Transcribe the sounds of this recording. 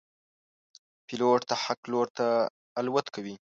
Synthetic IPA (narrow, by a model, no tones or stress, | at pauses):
pɪloʈt̪aħakloɽt̪aː | lwat̪kʰawi